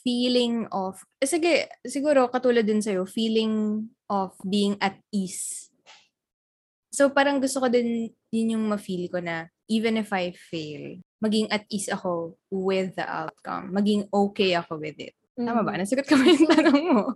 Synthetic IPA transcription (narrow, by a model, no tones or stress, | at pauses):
fiːlɪŋɔf | sɪɡɛsɪɡuːɾo̞kɐt̪uːlɐd̪ːɪnsɐjo̞fiːlɪŋʔɔfbiːɪŋʔɐt̪̚is | sopaːɾɐŋɡʊst̪okod̪ɪn | jɪnjʊŋmɐfiːlɪko̞nɐʔiːvɛnɪfɐjfelmɐɡɪŋʔɐt̪̚ʔisɐko̞ | wɪðːɐ̰ʔa̰wt̪̚kɐ̰mːɐɡɪŋʔokejɐko̞wɪðɪ̰t̪̚t̪ːaːmɐbɐnɐsɐɡot̪̚kɐmɐjʊŋt̪ɐnoŋmo